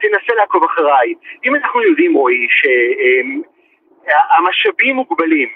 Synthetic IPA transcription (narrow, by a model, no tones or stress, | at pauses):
t̪enaselaːko̞vaχaʁajimanaχnujod̪imoiʃeem | aamaʃabimːuɡbalim